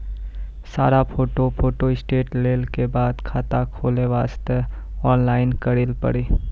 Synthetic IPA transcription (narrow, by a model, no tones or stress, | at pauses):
saːɾapʰoːʈoʈʰoːʈoɪsʈeːʈleːlkebaːd̪kʰaːt̪akʰoːleʋaːst̪ə | ɔːnlaːɪnkəɽɪlpə̰ɽeː